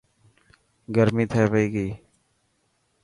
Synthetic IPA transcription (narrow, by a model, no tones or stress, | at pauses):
ɡəɾmĩːt̪ʰeːʋəiːɡiː